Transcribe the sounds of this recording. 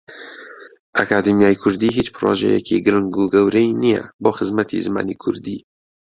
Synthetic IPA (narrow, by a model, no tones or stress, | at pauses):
ʔakaːd̪imijaːjkʰʊɾd̪iːɦiːt͡ʃpʰɨɾoːʒɛ̰jɛkiːɡɨɾɨŋɡuːɡɛwɾɛinijɛ̰boːxɨzmat̪ʰḭːzɨma̰ːniːkʰʊɾd̪iː